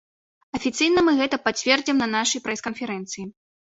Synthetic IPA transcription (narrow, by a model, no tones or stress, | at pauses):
ɐfʲit̪sɨjnɐmɨɣɛt̪ɐpat͡sʲvʲɛrd͡zʲimnɐnaʂɐjpɾɛskɐnfʲɛɾɛnt̪sɨji